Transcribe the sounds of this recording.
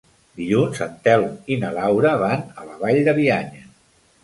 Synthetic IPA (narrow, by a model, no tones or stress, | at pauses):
d̪iʎunzənt̪ɛlinəlawɾəβanələβaʎd̪əβiaɲə